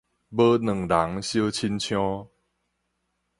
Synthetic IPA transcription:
bə˦nə˨˩ŋɾa˨˦ŋɕjə˦t͡ɕʰi˦nt͡ɕʰj̃ɔ̃˦

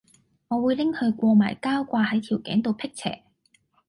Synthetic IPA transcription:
ŋɔː˨˧wuː˨˧jlɪ˥ŋhɵ˧kʷɔː˧ma̰ː˨˩jkaː˥wkʷaː˧hɐ˨˥jt̪ʰiː˨˩wkɛ̰˨˥ŋt̪o˨˧wpʰɪ˥k̚t͡sʰɛ̰ː˨˩

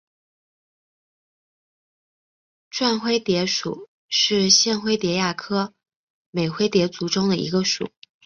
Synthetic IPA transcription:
ʈ͡ʂwa˥˧nxwe˥ɪt̪jɛ˧˥ʂu˨˩˦ | ʂɻ̩˥˧ɕjɛ˥˧nxwe˥ɪt̪jɛ˧˥ja˥˩kʰɤ˥ | me˨˩ɪxwe˥ɪt̪jɛ˧˥t͡su˧˥ʈ͡ʂʊ˥ŋd̪ə˨˩ʔḭ˧˥ɡə˧ʂṵ˨˩˦

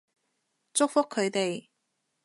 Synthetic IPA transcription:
t͡sʊ˥k̚fʊ˥kʰːɵ˨˧ɥt̪e˨j

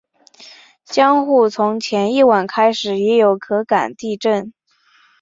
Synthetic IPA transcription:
t͡ɕjɑ˥ŋxu˥˩t͡sʰʊ˧˥ŋt͡ɕʰjɛ˧˥ni˥˩wa˨˩nkʰa˥ɪʂɻ̩˨˩jɛ˧˥jo˨˧˩ʊkʰɤ˧˥ka̰˨˩nt̪i˥˧ʈ͡ʂə˥˩n

